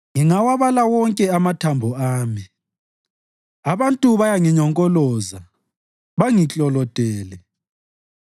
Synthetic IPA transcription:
ŋiŋawaβalawɔŋkʼɛamatʰambʱɔaːmi | aβantʼuβajaŋiɲɔŋkʼɔlɔza | βaŋit͡ɬʼɔlɔtʼɛːlɛ

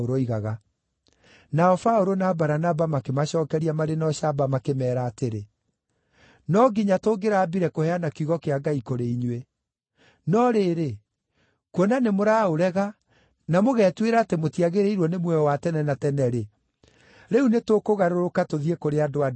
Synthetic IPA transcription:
oɾoiɣaɣa | naɔfaoɾonaːbaɾanabamakemaɕɔːkɛɾiamaɾenɔɕabamakemɛːɾaːteɾe | nɔɡiɲatoːɡeɾaːbiɾɛkohɛanakiɣɔkeaɡaikoɾeiɲwe | nɔɾeːɾe | kwɔnanemoɾaːoɾɛɣa | namoɣɛtweɾaːtemotiaɣeɾeiɾwɔnemwɛwatɛnɛnatɛnɛɾe | ɾɛunetokoɣaɾoɾokatoðiekoɾeadoa

